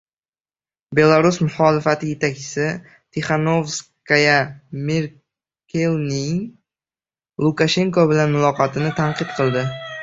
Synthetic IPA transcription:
be̞lˠaɾʊsmʊχɒlɪfat̪ʰɪje̞t̪ʰak̚ʲt͡ʃʰɪ̥sɪ | t̪ʰeχano̞vskajameɾ | kʲʰelˠnɪŋ | lˠʊkaʃe̞ŋkobɪlanmʊlˠɒqɒt̪ʰɪnɪt̪ʰaɴqɨt̪qʰɨlˠd̪ɪ

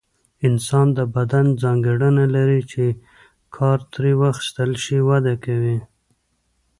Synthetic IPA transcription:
ɪnsɑnd̪əbad̪and͡zɑŋɡeɽənalaɾit͡ʃe | kʰɑɾt̪ɾiwaxi̥st̪əlʃiwad̪akawi

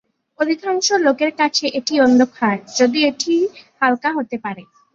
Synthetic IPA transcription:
od̪ʱikʰaŋʃolokeɾkat͡ɕʰeʔeʈiɔnd̪ʱokʰaɖd͡ʑod̪ieʈʰihalkaɦot̪epaɾe

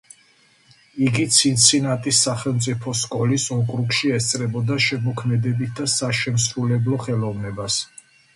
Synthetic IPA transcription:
iɡit̪sʰint̪sʰinat̪ʼisːaχɛlˠmt̪sʼipʰɔskʼɔlisɔkʼɾukʃiɛst̪sʼɾɛbɔd̪aʃɛmɔkʰmɛd̪ɛbit̪̚ʰd̪asaʃɛmsɾulɛblɔχɛlɔvnɛbas

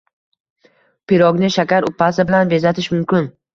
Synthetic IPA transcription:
pʰɪɾɒɡʲnɪʃakʲaɾʊpʰːasɪbɪlanbe̞zat̪ʰɪʃmʊmkʲɪn

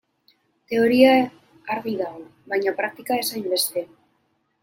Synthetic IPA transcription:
t̪e̞o̞ɾia | aɾɣiðaoβajɲapɾak̚t̪ikae̞sajmbe̞st̪e̞

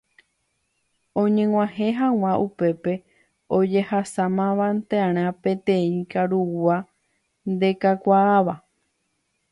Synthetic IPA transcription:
õ̞ɲẽ̞ŋʷãhẽɦãw̃ãʔupe̞pe̞ | o̞d͡ʒe̞hasamãʋãnt̪eaɾ̃ãpẽ̞t̪ẽ̞ĩkaɾua | nd̪e̞kakʷaːʋa

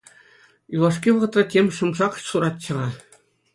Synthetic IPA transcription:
julˠɑʂ̬kʲiʋɤ̆ʁɤ̆t̪rɑ̆tʲemʲʂɤ̆mʐɑqsuɾɑt̪t͡ɕɤ̆ʁɑ

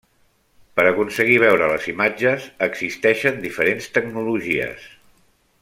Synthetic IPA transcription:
pəɾəkunsəɣ̞iβ̞ɛwɾələzimad͡ʒəzəɡz̥ist̪ɛʃənd̪ifəɾenst̪əɡnuluʒiə̰s

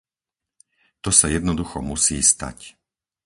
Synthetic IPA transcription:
t̪ɔsajɛd̪nɔd̪uxɔmusiːst̪a̰c

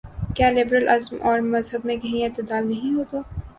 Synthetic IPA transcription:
kjaːlɪbɾəlʔɐzmʔɔːɾmɐzɦəbmẽkɐɦĩɪt̪ɪd̪aːlnɐɦĩɦoːt̪oː

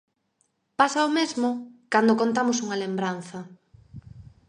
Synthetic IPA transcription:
pasaomezmʊkand̪okont̪amʊs̬uŋɐlembɾan̟θɐ

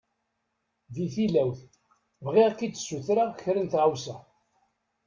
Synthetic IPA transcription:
viθilæwθ | vʁiʁkit͡s̪ːsuθɾaçɾənt̪ʁawsæ

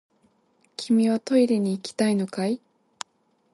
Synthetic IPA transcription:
kʲʰimʲiβat̪o̞iɾʲeɲ̟iːkʲi̥t̪aino̞kai

